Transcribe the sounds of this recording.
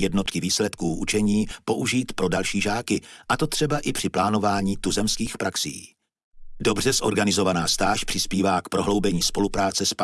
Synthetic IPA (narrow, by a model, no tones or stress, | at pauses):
jɛdno̞t̪kɪviːslɛt̪kuːʔut͡ʃɛɲiːpo̞ʔuʒiːt̪pɾo̞dalʃiːʒaːkɪʔat̪o̞t̪r̥ɛbaʔɪpr̥ɪplaːno̞vaːɲiːt̪uzɛmskiːxpɾʔaksḭː | do̞br̝ɛsʔo̞ɾɡanɪzo̞vanaːst̪aːʃpr̥ɪspiːvaːkpɾo̞ɦlo̞wbɛɲiːspo̞lupɾaːt͡sɛsp